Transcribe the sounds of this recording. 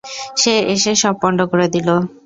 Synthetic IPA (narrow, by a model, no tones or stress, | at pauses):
ʃeeʃeʃɔb̚ːɔɳɖokoɾed̪ilo